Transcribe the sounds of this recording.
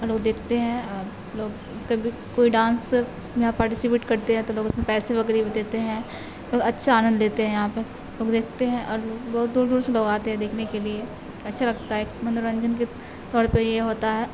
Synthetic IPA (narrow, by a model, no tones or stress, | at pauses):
ɾloːɡd̪eːkʰt̪eɦɛ̃ə | loːɡ | kɐbʱi | koːiɖãːns | jɐɦãpaːɾʈɪsipeːʈkɐɾt̪eɦɛ̃t̪oloːɡɪsmẽpɛːseʋɐkɾiːbd̪eːt̪eɦɛ̃ː | loːɡɐtːʃʰaaːnə̃nd̪leːt̪eɦɛ̃jɐɦãpɐ | loːɡd̪eːk̚ʰt̪eɦɛ̃ʔɔ̰ːɾloːɡbɔːʊt̪̚d̪uːɾd̪uːɾseloːɡaːt̪eɦɛ̃d̪eːkʰnekelie | keɐtːʃʰalɐɡt̪aɦɛkmɐ̃nd̪oɾɐ̃ɲd͡ʒənki | t̪ɔːɾpejeɦoːt̪aɦɛː